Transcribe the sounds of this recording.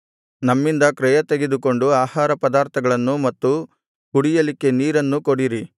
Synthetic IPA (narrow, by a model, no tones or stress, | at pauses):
nɐmːind̪ɐkɾɛjɐt̪eɡed̪uko̞ɳɖuaːhaːɾɐpɐd̪aːɾt̪ʰɐɡɐɭɐnːumɐt̪ːu | kuɽijɐlikːe̞niːɾɐnːukoɽiɾi